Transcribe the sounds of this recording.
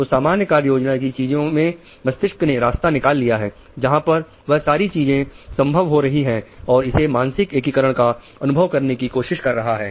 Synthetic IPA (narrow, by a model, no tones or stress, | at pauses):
osaːmaːnjəkaːɾjoːd͡ʒnak̬it͡ʃiːzõmẽ | mɐst̪ɪʃkneɾaːst̪anɪkaːlːijaɦɛː | d͡ʒɐɦãpɐɾ | ʋɐɦsaːɾit͡ʃiːzẽsɐ̃mbʱəʋɦoɾɐɦiɦɛ̃ːɔːɾɪsemaːnsɪkeːkikəɾəɽ̃ka | ɐnʊbʱəʋkɐɾnekikoːʃɪʃkɐɾːɐɦaɦɛː